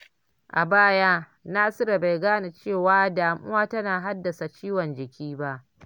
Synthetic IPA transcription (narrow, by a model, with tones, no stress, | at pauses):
ʔa˨baː˦ja˦ | naː˦sɪ˦ɾa˨ba˨jɡaː˦ni˨t͡ʃeː˦˨waː˦daː˨mʔʊ̰˦waː˦tɐ˦naː˨ɦa˦dːɐ˨sa˨t͡ʃiː˦wɔ˨nd͡ʒɪ˨kʲiː˦ba˦ʔ